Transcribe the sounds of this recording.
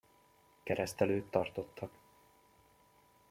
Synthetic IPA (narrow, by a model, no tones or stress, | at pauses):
kɛɾɛst̪ɛløːt̪ːɒrt̪o̞t̪ːɒk